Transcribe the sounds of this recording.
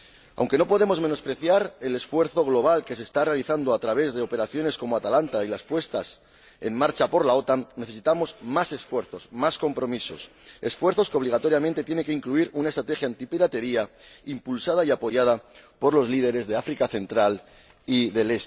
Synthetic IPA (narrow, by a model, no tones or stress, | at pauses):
a̰wŋke̞no̞po̞ð̞e̞mo̞zme̞no̞spɾe̞θjaɾe̞le̞sfwe̞ɾθo̞ɣlo̞β̞alke̞se̞ːst̪are̞aliθand̪oat̪ɾaβ̞e̞zðe̞o̞pe̞ɾaθjo̞ne̞sko̞moat̪alant̪ailaspwe̞st̪a̰s | e̞nmːaɾt͡ʃapo̞ɾlao̞t̪anːe̞θe̞sit̪amo̞zmase̞sfwe̞ɾθo̞smasko̞mpɾo̞miso̞̰se̞sfwe̞ɾθo̞skeo̞β̞liɣ̞at̪o̞ɾjamẽnt̪e̞t̪je̞nekeiŋkluiɾunaest̪ɾat̪e̞xjant̪ipiɾat̪e̞ɾiaimpulsaðaiapo̞ʝað̞apo̞ɾlo̞zliðe̞ɾe̞zðe̞afɾikaθe̞nt̪ɾal | iðe̞le̞st̪